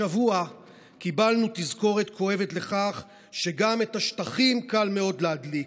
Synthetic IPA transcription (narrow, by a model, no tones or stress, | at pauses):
avua | kibalnut̪izko̞ʁe̞t̪kʰo̞e̞ve̞t̪le̞χaχ | ʃe̞ɡametaʃtaχimkalme̞o̞d̪lead̪lik